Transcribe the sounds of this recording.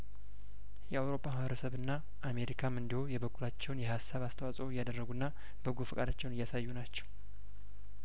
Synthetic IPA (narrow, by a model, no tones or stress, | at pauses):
jɛawɾo̞pːahβəɾəsəβɨnːa | ʔame̞ɾikʰamɨnd̪iho̞jɛβəkːulat͡ʃːɛwnjɛhasːaβast̪ʰəwasʼojːad̪ərːəɡunːa | bɨɡufɨkʼad̪at͡ʃːɛwnɨjːasajːunat͡ʃːɛ̥w